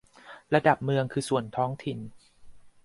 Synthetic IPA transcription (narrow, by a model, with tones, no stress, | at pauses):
ɾa˧da˨˩p̚mɯ˧əŋkʰɯː˧su˨˩ənt̪ʰɔː˦˥ŋt̪ʰi˨˩n